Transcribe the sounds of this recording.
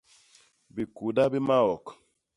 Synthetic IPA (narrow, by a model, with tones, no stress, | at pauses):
bi˨ku˨da˦bi˦ma˦ɔ˨k